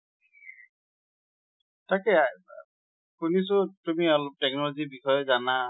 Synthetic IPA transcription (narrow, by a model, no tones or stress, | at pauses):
takɛ | kunis̬ʊtumiɔlop̚tɛk̚nɔlɔzibixɔjɔzana